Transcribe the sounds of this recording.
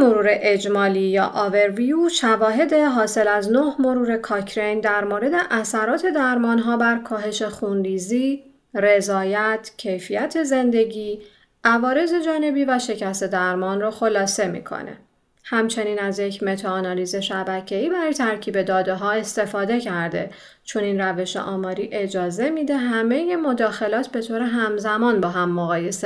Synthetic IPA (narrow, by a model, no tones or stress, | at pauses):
moɾuːɾe̞ʔed͡ʒmɒːliːjɒ̰ːʔɒve̞ɾviuʃævɒːɦe̞d̪e̞ɦɒːse̞læznohmo̞ɾuːɾe̞kʰɒcʰɾe̞jnd̪æɾmoɾe̞d̪e̞ʔæsæɾɒːt̪ʰe̞d̪æɾmɒːnɦɒːbæɾkʰɒːɦe̞ʃe̞xunriːziː | re̞zɒːjæt̪ʰcʰe̞jfijæt̪ʰe̞ze̞nd̪e̞ɟiː | ʔævɒːɾe̞ze̞d͡ʒɒːne̞biːvæʃe̞cʰæst̪e̞d̪æɾmɒːnroxo̞lɒːse̞mḭkʰo̰nḛ | hæmt͡ʃʰe̞niːnæzjecʰme̞t̪ʰɑːnɒliːze̞ʃæbæcʰe̞iːbæɾɒːjet̪ʰæɾcʰiːbe̞d̪ɒːd̪eɦɒːe̞st̪e̞fɒːd̪e̞cʰæɾd̪e̞ | t͡ʃʰo̞niːnræve̞ʃḛʔɒːmɒːɾiːʔe̞d͡ʒɒːze̞mid̪e̞ɦæme̞je̞mo̞d̪ɒːxe̞lɒːt̪ʰbe̞t̪ʰoːɾe̞ɦæmzæmɒːnbɒːɦæmːoɣɒːje̞se